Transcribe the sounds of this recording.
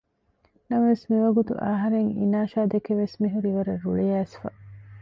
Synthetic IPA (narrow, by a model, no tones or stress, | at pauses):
nɐmɐʋesmiʋɐɡut̪ṵʔa̰ɦɐɾeŋḭnaːʃaːd̪ekeʋesmiɦuɾiʋɐɾɐɾuɭeæːsfɐ̰